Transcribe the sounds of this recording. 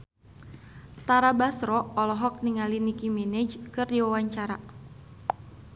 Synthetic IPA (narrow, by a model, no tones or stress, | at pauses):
t̪aɾabasɾɔːlɔɦɔk̚niŋalinikimɛnɛd͡ʒkɨrdiwawaɲt͡ʃaɾa